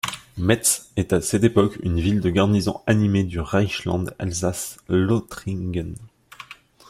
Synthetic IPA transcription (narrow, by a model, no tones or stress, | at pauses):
mɛt̪sɛt̪asɛt̪epɔky̰nvild̪əɡaʁnizɔ̰̃animed̪yʁajʃlɑ̰̃d̪a̰lzaslot̪χiɡɛn